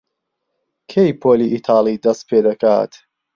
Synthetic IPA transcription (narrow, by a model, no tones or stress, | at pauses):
kʰejpʰoːliːʔit̪ʰɑːlˠid̪ɐst̪̚pʰeːd̪ɐkʰa̰ːt̪